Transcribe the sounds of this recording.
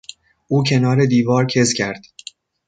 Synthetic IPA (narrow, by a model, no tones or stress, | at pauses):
ʔuːcʰe̞nɒːɾe̞d̪iːvɒːɾcʰe̞zcʲʰæɾd̪̥